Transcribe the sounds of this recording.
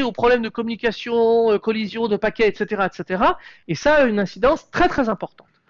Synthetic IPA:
eopχɔblɛmd̪əkɔmynikʲasjɔ̃økɔlizjɔ̃d̪əpakʲɛɛt̪set̪eʁaɛt̪set̪eʁaesaynɛ̃sid̪ɑ̃st̪χɛt̪χɛzɛ̃pɔʁt̪ɑ̃t̪

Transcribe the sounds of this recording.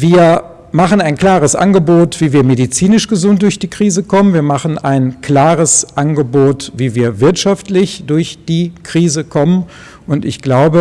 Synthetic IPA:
viːɐ | maχənaɪnkl̥aːʁəsʔa̰nɡəboːtv̥iːviːɐmedit͡siːnɪʃɡ̥əzʊnt̚d̥ʊɐçd̥iːkʁ̥iːzəkʰɔmənviːɐmaχən̩aɪnkl̥aːʁəsʔanɡəboːtviːviːɐvɪɐtʃaftlɪçd̥ʊɐçd̥iːkʁ̥iːzəkʰɔmən | ʔʊntɪ̰çɡ̥laʊbə

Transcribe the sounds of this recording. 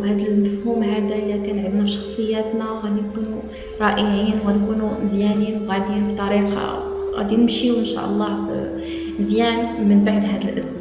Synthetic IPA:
hæːd̪əlmæfhuːmhæːd̪æʔlækænʕəd̪næbʃɑ̥xsˤəjːæːt̪næwɣæd̪inkuːnu | ɾˤɑʔəjiːnwɣæd̪kunuzjæniːnwɣæd̪jiːnbt̪ˤɑɾiːqɑ̰ | ɣæ̰d̪ijnɪmʃiuʔɪnʃæ̰ːʔɑ̰lˤːɑb | ɪzjæːnmənbaʕd̪hæːd̪əlʔɪ̰sm

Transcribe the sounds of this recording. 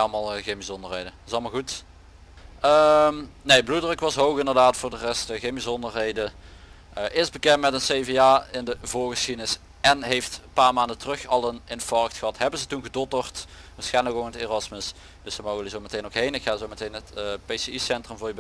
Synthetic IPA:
ɑlˠmalˠɣenbizɔndərɦejdətɪsɑlˠmalˠɣut | əmnejbludərəkʋɑsɦowɣɪndəʁdaːtfʊːɹdərɛstəɣenbizɔndərɦejdə | əʔɪsbəkɛntmɛtənsejveaːɪndəvʊːɹɣəsxidənɪs | ɛnɦejftpaːɹmaːndətərɵxɑlˠənɪnfɔɹktxəɦɑtɦɛbənzətunɣədɔtərt | ʋaːsxɛjnləkʋonəterɑsməs | d̥əsəmowɣənəzowmətejnokɦejnɪkxaːzowmətejnətːpejseisɛntrəmvʊːɹb

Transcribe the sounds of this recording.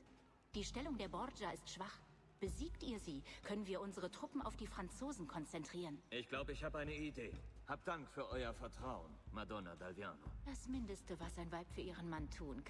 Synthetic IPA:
d̥iːʃtɛlʊŋdeːɐbɔd͡ʒaɪstʃv̥aχ | b̥əziːktʔiːɐziːkʰœnənviːɐʔʊnzəʁ̞ətʁ̥ʊpm̩a̰ʊfd̥iːfʁ̥ant͡soːzn̩kʰɔnt͡sɛntʁ̥iːʁənʔɪçɡ̥laʊbəɪçhaːbəaɪnəideːhaːp̚td̥aŋkfyːɐʔɔʏɐfɛɐtʁ̥aʊənmadɔna̰dalvia̰ːno̰d̥asmɪndəstəvasz̥aɪnvaɪpfyːɐʔiːʁ̞ənmantʰuːnkʰ

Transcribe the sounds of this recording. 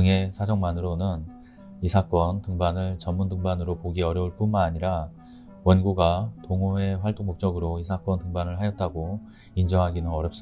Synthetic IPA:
ɯŋe̞sʰad͡ʑʌŋmanɯɾonɯn | isʰak͈wʌntɯŋbanɯɭt͡ɕʌnmːundɯŋbanɯɾopoɡiʌɾjʌuɭp͈unmanaɲiɾa | wʌnɡuɡatoŋoe̞ɸwaɭt͈oŋmok̚t͡ɕ͈ʌɡɯɾoisʰak͈wʌntɯŋbanɯɭɦajʌt̚t͈aɡo | ind͡ʑʌŋɦaɡinɯnʌɾjʌps͈ɯ

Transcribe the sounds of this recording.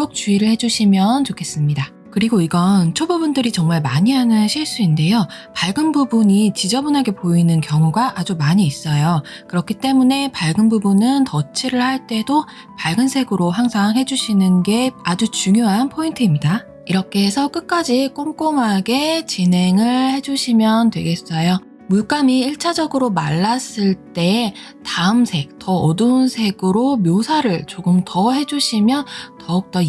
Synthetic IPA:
ok̚t͡ɕ͈uiɾɯɭhe̞d͡ʑuɕʰimjʌnt͡ɕokʰe̞s͈ɯmɲida | kɯɾiɡoiɡʌnt͡ɕʰobubundɯɾit͡ɕʌŋmaɭmaɲiɦanɯnɕʰiɭs͈uinde̞jo | paɭɡɯnbubuɲit͡ɕid͡ʑʌbunɦaɡe̞poinɯnkjʌŋuɡaʔad͡ʑumaɲiːs͈ʌjo | kɯɾʌkʰit͈e̞mune̞paɭɡɯnbubunɯntʌt͡ɕʰiɾɯɭhaɭt͈e̞do | paɭɡɯnsʰe̞ɡɯɾoɦaŋsʰaŋɦe̞d͡ʑuɕʰinɯnɡe̞ad͡ʑut͡ɕuŋjoɦanpʰointʰɯimɲida | iɾʌkʰe̞ːsʰʌk͈ɯk͈ad͡ʑik͈omk͈oŋɦaɡe̞t͡ɕine̞ŋɯɭhe̞d͡ʑuɕʰimjʌntwe̞̰ɡe̞s͈ʌjo | muɭk͈amiiɭt͡ɕʰad͡ʑʌɡɯɾomaɭːas͈ɯɭt͈e̞ | taɯmsʰe̞k̚t͈ʌːdɯnsʰe̞ɡɯɾomjosʰaɾɯɭt͡ɕoɡɯmtʌɦe̞d͡ʑuɕʰimjʌntʌuk̚t͈ʌ

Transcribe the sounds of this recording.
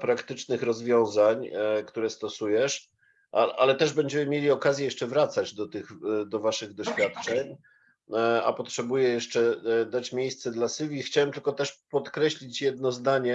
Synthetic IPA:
pɾakt̪ɘt͡ʂnɘxɾɔzvʲjɔ̃w̃zaɲkt̪uɾɛst̪ɔsujɛʂ | ʔaʔa̰lɛt̪ɛʐbɛɲd͡ʑɛmɘmʲjelʲiɔkazʲjɛjɛʂt͡ʂɛvɾat̪sad͡ʑd̪ɔt̪ɘɣd̪ɔvaʂɘɣd̪ɔɕfʲjat̪t͡ʂɛɲ | a̰pɔtʂɛbujɛjɛʂt͡ʂɛd̪at͡ɕmʲjejst̪sɛd̪lasɘvʲixt͡ɕawɛmt̪ɘlkɔt̪ɛʂpɔt̪kɾɛɕlʲit͡ɕjɛd̪nɔzd̪aɲɛ

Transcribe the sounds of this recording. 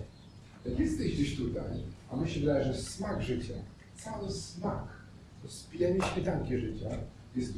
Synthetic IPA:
jakʲjɛst̪ɛʑɡd͡ʑeɕt̪ut̪ajamɘɕɛvd̪ajɛʐɛsmaɡʐɘt͡ɕa | t̪sawɘsmak | ɔspʲijalʲiɕmʲɛt̪aŋkʲiʐɘt͡ɕa | jɛst̪

